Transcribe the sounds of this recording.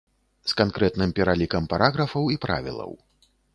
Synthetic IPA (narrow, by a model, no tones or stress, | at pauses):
skankɾɛt̪nɨmpʲɛɾalʲikɐmpaɾʔaɣɾɐfɐwipɾa̰vʲḭlˠɐ̰w